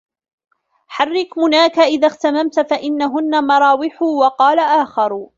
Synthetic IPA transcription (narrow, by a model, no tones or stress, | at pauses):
ħarːɪkmʊnaːkaʔɪðaxt̪amamt̪faʔɪnːaɦʊnːamɑɾˤɑːwɪħʊwɑqɑːlaʔaːxɑɾˤ